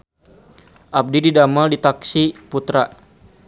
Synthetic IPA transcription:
ʔab̚dididamaldit̪aksiput̪ɾa

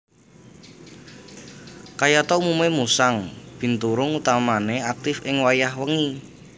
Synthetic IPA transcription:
kajat̪ɔumumemusaŋb̥i̤nt̪uɾʊŋut̪amaneak̚t̪ɪfɪŋwajahwəŋi

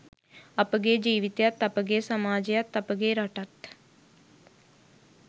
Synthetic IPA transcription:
əpɡeːd͡ʒiːʋɪt̪jət̪əpɡeːsəmaːd͡ʒjət̪əpɡeːɾəʈət̪

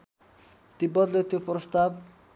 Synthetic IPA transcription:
t̪ibʌd̪let̪joprɔst̪ab̚

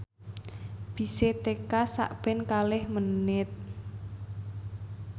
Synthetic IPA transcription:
b̥i̤set̪ekasa̰ʔb̥ɛ̤nkalɪhmənɪt̪̚

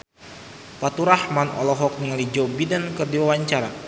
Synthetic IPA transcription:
pat̪uɾahmanɔ̰lɔɦɔk̚niŋalid͡ʒɔbidankərdiwawaɲt͡ʃaɾa

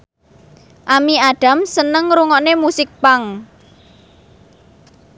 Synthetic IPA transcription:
ʔamiaɖ̥a̤msənəŋɾuŋɔʔnemusɪk̚paŋ

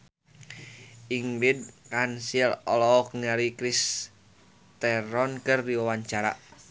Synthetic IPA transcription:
ʔiŋlid̪̚kansilɔlɔɔk̚ŋaɾikɾis | t̪ɛɾɔnkərdiwawaɲt͡ʃaɾa̰

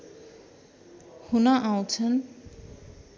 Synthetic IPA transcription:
hunaʔaw̃t͡sʰʌn

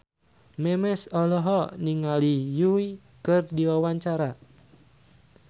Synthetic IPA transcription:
mɛmɛsɔlɔɦɔniŋalijui | kɨrdiwawaɲt͡ʃaɾa

